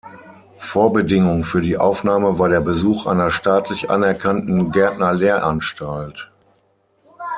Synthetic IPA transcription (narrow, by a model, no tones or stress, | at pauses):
foːɐbədɪŋʊŋfyːɐdiːʔa̰ʊfnaːməvaːɐɾeːɐbəzuːxʔa̰ɪnɐʃtaːtʰlɪçʔa̰nɛɐkʰantn̩ɡɛɐtnɐleːɐʔanʃtalt